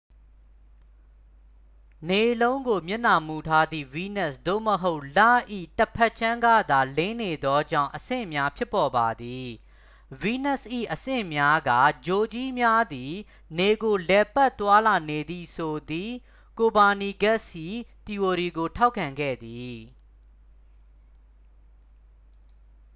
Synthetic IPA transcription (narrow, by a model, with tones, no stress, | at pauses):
ne˨lõ˦ʊ̃ŋɡo˨mjɪ˦˨na˨mu˨tʰa˦d̪ḭ˦˨wi˦nɛ˦˨sd̪o̰˦˨məɦo˦ʊʔla̰˦˨ʔḭ˦˨tə˨pʰɛ˦ʔt͡ɕʰã˦ŋɡä̰˦˨d̪a˨lẽ˦ne˨d̪ɔ˦d͡ʑã̰˦˨ʊ̃ʔəsɪ̰̃˦˨mja˦pʰjɪ˦pːɔ˨ba˨d̪i˨ | wi˦nɛ˦˨sʔḭ˦˨ʔəsɪ̰̃˦˨mja˦ɡa̰˦˨d͡ʑo˨d͡ʑi˦mja˦d̪i˨ | ne˨ɡo˨lɛ˨pɛ˦ʔt̪wa˦la˨ne˨d̪ði˨sʰo˨d̪i˨ | ko˨ba˨ni˨ɡɛ˦ʔsjḭ˦˨t̪i˨o˨ɾi˨ɡo˨tʰa˦ʊkʰːã˨ŋɡɛ̰˦˨d̪i˨